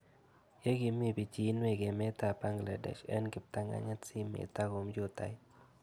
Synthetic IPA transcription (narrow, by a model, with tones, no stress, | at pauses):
je˦ɡɪ˦mi˦bi˨t͡ʃi˨˦nwe˨ɡe˨mɛ˦ta˨pa˦ŋɡla̰˨dɛ̰˨ʃɛ̰˦nɡɪ˨p̚t̪a˦ŋɡa̰˦ɲa˦si˦mḛ˨t̪a˦ɡo˨md͡ʒo˦t̪a̰˨ɪ˦